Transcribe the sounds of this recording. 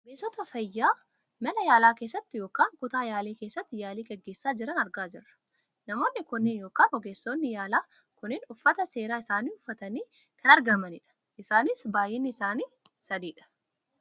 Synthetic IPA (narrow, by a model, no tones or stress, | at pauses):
ɔɡeːsːɔt̪ɐfɐjːaː | mɐnɐjaːlaːkeːsːɐt̪ːɪjoːkaːŋkʊt̪aːjaːleːke̞ːsːɐt̪ːɪjaːliːɡɐɡːe̞ːsːaːd͡ʒɪɾɐnɐɾɡaːd͡ʒɪ̰rːɐ̥ | nɐmo̞ːnːɪkʊnːɪnjoːkaːnɔɡeːsːoːnːɪjaːlaː | kʊnɪnʊfːɐt̪ɐse̞ːɾaːɪsaːniːʊfːɐt̪ɐniː | kʰɐnɐɾɡɐmɐnɪᶑɐ̥ | ʔɪsaːnɪsbaːjɛnːɪɪsaːniː | sɐd̪iːᶑɐ̥